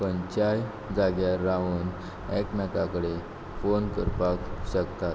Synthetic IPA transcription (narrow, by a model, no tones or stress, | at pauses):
pəɲt͡ɕaj | d͡zaɡjaɾːaʋuːn | ɛknakakəɽe | fonkəɾpakɕəkt̪at̪